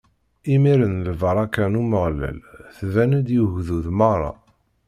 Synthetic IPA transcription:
imiɾənlvəɾˤɑkænuməʁlæ̰lθvænəd̪juʝðuðməʁɾˤɑ̰

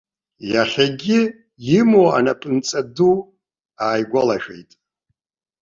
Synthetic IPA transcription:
jaχʲaɡʲɪ | jɪmoa̰napʼɨnt͡sʼadu | aːjɡʷalaʃᶣḛjtʼ

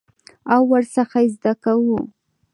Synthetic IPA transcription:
awːəɾsaxajzd̪akawu

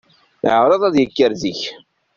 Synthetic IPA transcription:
ʕɾˤɑðˤæðjəkːəɾðiç

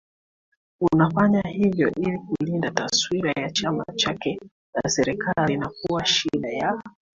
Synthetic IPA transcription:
unafaɲahivjɔ̰ʔilikulindataswiɾajat͡ʃama̰t͡ʃakɛ | na̰sɛɾɛkalinakuwaʃiɗaja

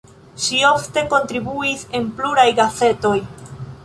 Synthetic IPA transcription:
ʃio̞fte̞ko̞ntɾibuise̞npluɾajɡase̞to̞j

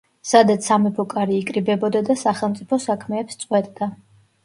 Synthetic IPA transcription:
sad̪at̪sʰamɛpʰɔkʼaɾiːkʼɾibɛbɔd̪ad̪asaχɛlˠmt̪sʼipʰɔsakʰmɛːpst̪sʼqʼwɛt̪ʼd̪a

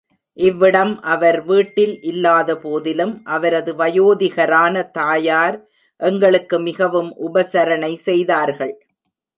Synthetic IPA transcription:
ʔɪʋːɪɽɐmʔɐʋɐɾʋiːʈːɪlʔɪlːaːðɐpoːðɪlɯmʔɐʋɐɾɐðɯʋɐjoːðɪɣɐɾaːnɐt̪aːjaːɾ | ʔɛŋɡɐɭɯkːɯmɪɣɐʋɯmʔʊbɐsɐɾɐnɐɪsɛjðaːɾɣɐɭ

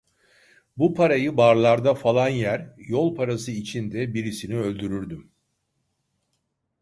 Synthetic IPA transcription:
bupʰaɾajɯbaɾlˠaɾd̪afalˠanjæɾjolˠpʰaɾasɯit͡ʃʰind̪ɛbiɾisiniø̞lʲd̪yɾyɾd̪ym

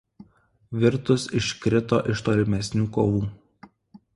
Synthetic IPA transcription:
ʋʲɪɾt̪ʊsɪʃkɾʲɪt̪o̰ːʔɪʃt̪oːlʲɪmʲɛsʲnʲuːkoːʋuː

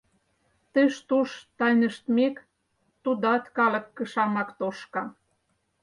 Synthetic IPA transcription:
t̪ə̆ʃt̪uʃt̪ɑjnə̆ʃt̪mek | t̪ud̪ɑt̪kɑlə̆kːə̆ʃɑmɑkt̪oʃkɑ

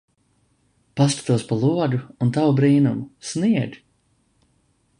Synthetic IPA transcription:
pask̪ḁt̪uɔspalˠuɔɡuunt̪awbɾiːnumusniɛɡʲ

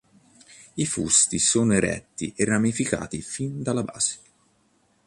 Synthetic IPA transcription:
ifṵst̪isoːnoeɾɛ̰t̪ːiʔerːamifika̰ːt̪ifind̪alːaba̰ːz̥e̥

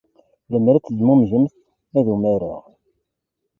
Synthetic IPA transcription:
ləmɾæt͡sːədmumʒəmθ | æðumæɾʊ̰ʁ

